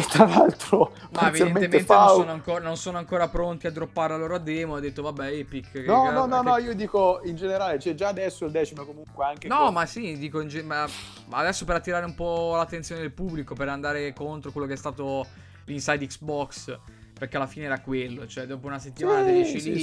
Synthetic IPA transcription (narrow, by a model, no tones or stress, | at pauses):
et̪ːɾalalt̪ɾomaevidaenmet̪ementfenansonoaŋkoːɾanonsoːnoaŋkoːɾapɾont̪iad̪ɾopːaɾelaloːɾoad̪ːɛːmoad̪ːet̪ːovabːɛɛpikːknɔɔnnɔiːod̪iːkoind͡ʒeneɾaːlet͡ʃɛd͡ʒaːd̪ɛsːoild̪ɛːt͡ʃimekomuŋkweaŋkenɔmasid̪iːkoind͡ʒema | ad̪ɛsːopeɾat̪ːiɾaːɾeumpɔlat̪ːent̪sjoned̪elpubːlikopeɾand̪aːɾekont̪ɾokwelːokeɛst̪aːt̪o | linsajd̪iksbɔks | perkealːafiːneɛːɾakwelːot͡ʃoɛd̪oːpounaset̪ːimaːnad̪evjɛt͡ʃili